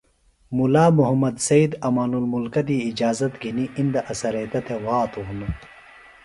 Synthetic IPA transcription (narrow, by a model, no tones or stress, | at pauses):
mulaːmuɦɐmɐd̪sɐid̪ɐmaːnulmulkɐd̪iːd͡ʑaːzɐt̪ɡiniʔind̪ɐʔɐsɐɾeːt̪ɐt̪ʰewaːt̪ʰuun